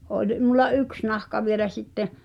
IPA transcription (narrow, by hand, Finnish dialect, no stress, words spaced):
olʲ mulˑɑ yks nɑhkɑ ʋielæ sitːe